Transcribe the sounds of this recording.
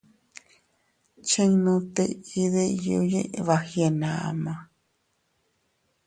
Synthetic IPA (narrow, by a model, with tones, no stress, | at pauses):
t͡ʃe˦ŋnõ˧t̪e˧i˦ðejo̰˧jḛ̃˦ʔβahje˧˨nã˨a̰˧mã˧